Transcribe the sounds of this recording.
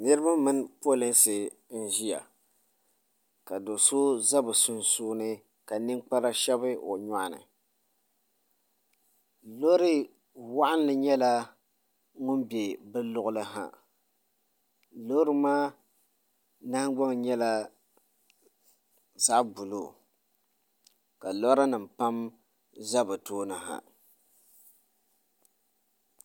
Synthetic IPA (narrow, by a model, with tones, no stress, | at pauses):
nɨ˦ɾɨ˦ba˦mɨ˦npo˦lɪ˦nsɨ˨ | n̩˦ʒi˦ja̰˨ | ka˨do˨so˦za˦bɨ˨su˦˨nsuː˦nɨ˦ | ka˨nɨ˦ŋk͡pa˦ɾa˦ʃɛ˦bɨ˦o̰˨ɲa˨ʔnɨ̰˨ | lo˦ɾɨ˦ | wa˦ʔa˦n˦lɨ˨ɲɛ˦la˦ | ŋʊ˦nbe˨bɨ˦lʊ˦ʔʊ˦lɨ˦ɦa̰˨ | lo˦ɾɨ˦maː˦ | na˦hɡ͡bɔ˦ŋɲɛ˦la˦ | za˦ʔbu˨lo˦˨ | ka˨lo˦ɾa˦nɨ˨m˨pa˦m | za˦bɨ˨toː˦nɨ˨ɦa̰˨